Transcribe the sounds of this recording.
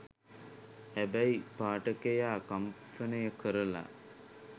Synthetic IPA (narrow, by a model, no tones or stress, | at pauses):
hæbæjipaːʈəkejaːkamfənəjəkəɾəla̰